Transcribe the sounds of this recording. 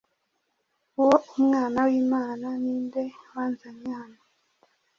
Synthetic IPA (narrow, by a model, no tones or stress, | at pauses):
uwoumŋaːnawiːmaːnaniːndewaːnzaɲehano